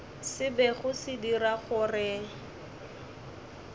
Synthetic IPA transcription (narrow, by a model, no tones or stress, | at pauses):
sɪbɛχʊsɪdiraχʊrɪ